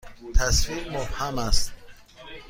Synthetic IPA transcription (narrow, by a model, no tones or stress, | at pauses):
t̪ʰasfiɾmobhamast̪